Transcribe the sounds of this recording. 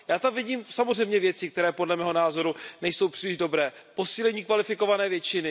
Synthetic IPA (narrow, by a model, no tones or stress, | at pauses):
jaːt̪amvɪɟiːmsamozrɛjmɲɛvjɛt͡sɪkt̪ɛɾɛːpo̞dlɛmɛːɦo̞naːzo̞ɾunɛjso̞wpr̥iːlɪʒdo̞bɾɛːpo̞siːlɛɲiːkvalɪfɪko̞vanɛːvjɛt͡ʃɪnɪ